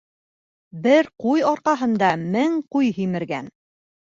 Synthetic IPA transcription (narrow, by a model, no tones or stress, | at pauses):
bɘɾqujɒɾqɑɦɤ̆nd̪ɑmɘŋqujɦimɘ̆ɾɡæn